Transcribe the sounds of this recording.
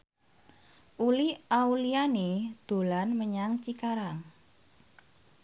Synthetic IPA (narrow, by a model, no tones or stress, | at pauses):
ʔuliaulianid̪̥o̤lanməɲaŋt͡ʃikaɾaŋ